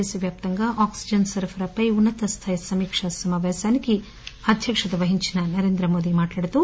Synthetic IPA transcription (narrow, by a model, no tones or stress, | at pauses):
isiʋjaːp̚t̪ɐŋɡɐʔaːksid͡ʒɐnsɐɾpʰɐɾɐpɐjunːɐt̪ɐst̪ʰɐjɐsɐmiːkʂɐsɐmɐʋɐsɐniki | ɐd̪ʱjɐkʂɐd̪ɐʋɐɦiɲt͡ʃinɐnɐɾeːnd̪ɾɐmoːd̪imaːʈlaːɽit̪u